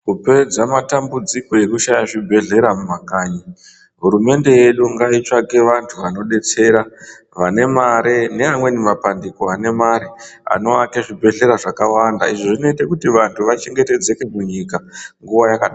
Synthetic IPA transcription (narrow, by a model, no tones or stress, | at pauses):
kupe̞d͡zamatambud͡ziko̞je̞kuʃajaʐibʱe̞ɮe̞ɾamumakaːɲi | ɦuɾume̞nde̞je̞ɗuŋɡait͡ʃaɡe̞ʋantʰuʋano̞ɗe̞t͡se̞ɾa | ʋane̞maɾene̞amwe̞nimapandikoane̞maɾia̰no̞akeʐibʱe̞ɮe̞ɾaʐakawanda̰iʐoʐino̞itekutiʋantʰuʋat͡ʃe̞ŋɡe̞te̞d͡ze̞ke̞muɲikaŋɡuʋajakaɗa